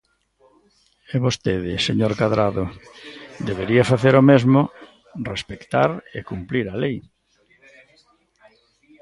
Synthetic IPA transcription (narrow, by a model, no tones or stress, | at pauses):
eβost̪eðɪseɲoɾkaðɾaðo | d̪eβeɾiafaθeɾomezmo | respekt̪a̰ɾekumpliɾalej